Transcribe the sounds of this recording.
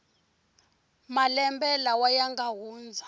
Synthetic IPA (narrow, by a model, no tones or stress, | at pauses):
malɛmbɛlawajaŋɡaɦuːnd͡zʱa